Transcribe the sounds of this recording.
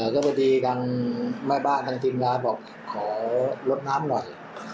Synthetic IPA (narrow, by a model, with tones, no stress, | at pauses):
a˨˩kɔː˥˩pɛ˧˩diː˧t̪ʰa˧ŋmaː˥˩jbaː˥˩nt̪ʰa˧ŋt̪ʰi˧nɡaː˧bɔː˨˩k̚ | kʰɔː˩˦lo˦˥t̪̚naː˦˥mnɔ˨˩j